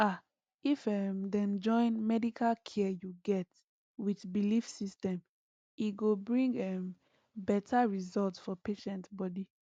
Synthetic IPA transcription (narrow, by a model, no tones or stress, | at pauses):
a | ifɛmdɛ̃md͡ʒɔ̃ɪ̃nmɛdikʰalkʰɛjuɡɛt | witbilifsistɛ̃m | iɡobɹĩŋɡɛm | bɛtʰaɹizɔltsfɔpeʃɛ̃ntbɔdi